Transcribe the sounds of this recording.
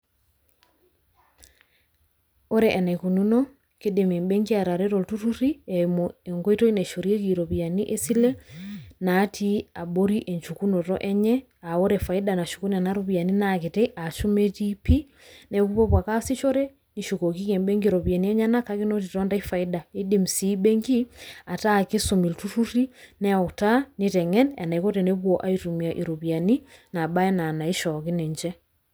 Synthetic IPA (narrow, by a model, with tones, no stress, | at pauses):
o˦ɾɛʔɛ˨na˨ku˨nunɔ˦ | kede˨mɛ˨mbɛŋɡi˦a˨ɾa˨ɾeɾɔ˨ltu˦tu˦ɾiɛmɔɛŋɡɔ˦itɔ˦i˦nɛ˨ʃo˨ɾi˦e˦ki˨ɾɔ˨βia˨ni˦ʔe˦silɛ˦na˦tʰi˦a˨bo˦ɾiʔɛ˨ɲt͡ʃuku˦nɔ˨tɔ̰˦ʔɛ˦ɲɛ˦ | a˨o˦ɾɛfa˨i˦dana˨ʃuku˦na˨na˦ɾoβi˨a˨ni˦nake˨teʔa˨ʃu˦me˦d͡ʒipi˦ | nɛ˨ku˦βɔ˦βwa˨ka˦si˦ʃo˦ɾɛ | niʃuko˨ki˦kɛ˨mbɛŋɡiɾɔβja˨ni˦ɛ˦ɲa˦nakaki˦no˦titɔ˦nda˦ifa˨i˦dae˦di˦msi˦bɛŋɡi˦a˨taki˦somi˨ltutuɾi˦nɛ˦ɔ˨tanetɛ˨ŋɛ˦na˨na˨iko˦tɛneβwɔʔa˦itumia˨ʔiɾo˨βja˨ni˦na˨ba˦ɛ˦na˨na˨i˦ʃɔki˦ne˨ɲd͡ʒɛ˦